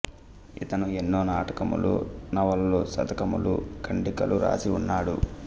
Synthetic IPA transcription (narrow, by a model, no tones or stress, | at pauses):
it̪ɐnuenːo̞ːnaːʈɐkɐmṵlṵnɐʋɐlloːsɐ̰d̪ɐkɐmulṵkɐɳɖikɐluɾa̰ːsiunːaːɽṵ